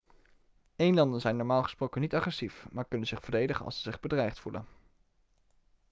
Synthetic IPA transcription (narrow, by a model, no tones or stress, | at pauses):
ejnlɑndənzɛjnɔɹmaːlˠχəsprowkənitɑχrɛsifmaːɹkɵnənzɪχfəɹdejdəχənɑ̰lˠsəzɪχbədrɛjχtfulə̰n